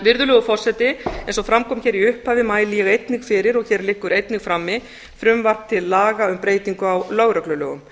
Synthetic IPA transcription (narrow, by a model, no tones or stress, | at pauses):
vɪɾðʏlœːɣʏfɔr̥sɛt̪ɪɛejnsɔfɾamkʰɔːmçɛɾiʏhphaːvɪmaːjlɪjɛɣejt̪niŋkfɪɾɪɾɔɣçɛːɾlɪhkːʏɾejt̪nɪɣfɾamːɪ | fɾʏmvar̥t̪ʰɪlːaːɣaʏmpɾeːjt̪iŋkʏawlœːɣɾœklʏlœːɣʏ̰m